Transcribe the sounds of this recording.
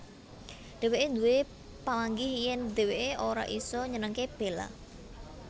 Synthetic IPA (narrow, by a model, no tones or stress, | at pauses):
d̪̥e̤weʔend̪uwe | palaŋɡɪhjɛnd̪̥e̤weʔeʔoɾa̰ʔisɔɲənəŋkeb̥e̤la̰